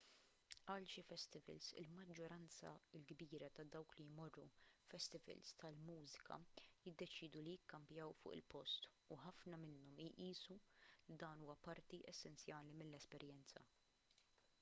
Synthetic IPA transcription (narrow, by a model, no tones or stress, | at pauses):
ʔɐːlʃifɛst̪ɪvɛ̰lsɪ̰lmɐd͡ʒːɔɾɐnt͡sɐ̰ɪlɡbiːɾɐt̪ɐd̪ɐwklijmɔrːufɛst̪ɪvɛ̰lst̪ʰɐlmuːzɪ̥kʰɐ̰jɪd̪ːɛt͡ʃiːd̪ulijɪkːɐmpjɐwfʊ̰ːʔɪ̰lpɔst̪ | uħɐfnɐmɪnːɔmjʔiːsulid̪ɐːnuːwɐpɐɾt̪iʔɛsːɛnt͡sjɐːlimɪlːɛspɛɾjɛnt͡sɐ̰